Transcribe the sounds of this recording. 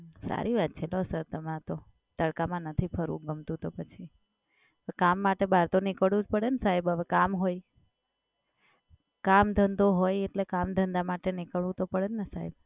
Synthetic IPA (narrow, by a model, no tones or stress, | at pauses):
sa̰ɾʔiʋat̪̚t͡ʃʰelosəɾt̪əmãt̪o | t̪əɽkamãnət̪ʰipʰəɾṵ̃ɡəmt̪ũt̪opət͡ʃʰi | əʋekamːaʈebʱaɾt̪onɪkəɭũd͡ʒpəɽensaɦebəʋekamɦoj | kamd̪ʱənd̪oɦojeʈlekamd̪ʱənd̪amaʈenɪkəɭũt̪opəɽenəsaɦeb